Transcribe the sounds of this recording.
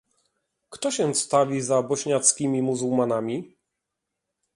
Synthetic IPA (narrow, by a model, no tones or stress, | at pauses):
kt̪ɔɕɛ̃st̪avʲizabɔɕɲat̪skʲimʲimuzuwmanamʲi